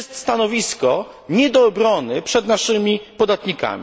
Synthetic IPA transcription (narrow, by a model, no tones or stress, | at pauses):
st̪st̪anɔvʲiskɔ | ɲɛd̪ɔːbɾɔnɘpʂɛd̪naʂɘmʲipɔd̪at̪ɲika̰mʲ